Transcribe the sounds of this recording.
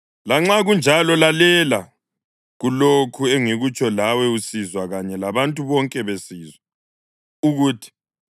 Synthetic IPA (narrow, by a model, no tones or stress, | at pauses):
laŋ͡ǁaɣund͡ʒʱalɔlalɛla | ɣulokʰueŋiɣut͡ʃʰʼɔlawɛusizwaɣaɲɛlaβantʼuβɔŋkʼɛβesiːzwa | uɣuːtʰi̥